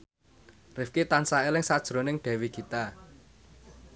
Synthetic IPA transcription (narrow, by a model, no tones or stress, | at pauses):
rɪfkit̪ansaelɪŋsad̥ʒ̥ɾo̤nɪŋɖ̥ɛ̤wiɡit̪a